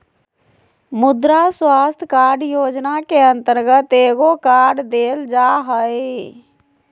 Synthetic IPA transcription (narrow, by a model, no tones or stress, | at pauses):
mʊd̪ɾaswaːst̪ʰkaːɖjoːd͡ʒnakeə̃nt̪əɾɡət̪eːɡokaːɖd̪eːld͡ʒaɦəe